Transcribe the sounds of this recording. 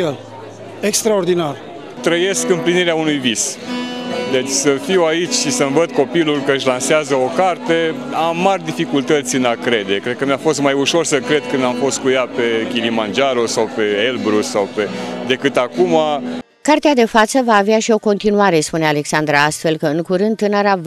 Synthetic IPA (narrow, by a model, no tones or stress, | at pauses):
el | ekst̪ɾaord̪inar | t̪ɾəje̞skɨmpliniɾeaunujvis | d̪e̞t͡ʃʲsəfiwait͡ʃʲʃisəmvəd̪ko̞pilulʲkəɨʃlanseazəo̞kart̪e̞ | amːarʲd̪ifikult̪ət̪sʲɨnakɾe̞d̪e̞kɾed̪̚kəmjafo̞st̪majuʃo̞rsəkɾe̞d̪kɨnd̪amfo̞st̪̚kujape̞kʲilimand͡ʒaɾosawpe̞elbɾusawpe̞d̪e̞kɨt̪akuma | kart̪ead̪e̞fat̪səvaːveaʃio̞ko̞nt̪inuaɾe̞spuneale̞ksand̪ɾaast̪fe̞lkəɨŋkuɾɨnd̪̚t̪ːɨnəɾa